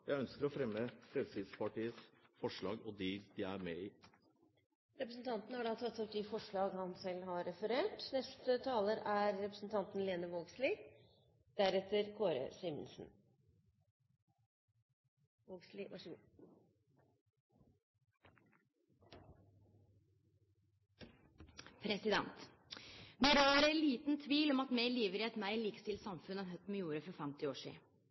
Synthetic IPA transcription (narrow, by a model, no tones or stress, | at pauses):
jæɪœnskəɾɔfɾɛmːəpʰɾɛʋsɪd̪spʰɑʈiːəsfɔʂɭɑ̰ːɡɔd̪id̪̥ɪæɾmɛiː | ɾɛpɾəsn̩t̪ʰɑnt̪nhɑɖɑːt̪ʰɑt̪ːɔp̪ɪfɔʂɭɑːɡhɑnsɛlːhɑɾɾɛfəɾeːʈnɛst̪ət̪ʰɑːləɾæɾːɛpɾəsn̩t̪ʰɑnt̪n̩leːnəʋoːɡslɪ | d̪̥æɾɛt̪ːəɾkʰoːɾə̰sɪmə̰nsn̩ | ɡlɪɑ | pʰɾɛsɪd̪ɛ̰nt̪ | d̪ɛɾøːɾæɪliːt̪n̩t̪ʰʋiːlɔmɑt̪meːliːʋəɾɪɛt̪mæɪliːkə̥st̪ɪlt̪sɑmfʉnænɦœt̪ːmɛjuːɾəfɔɾfɛmt̪ɪoːʂḭː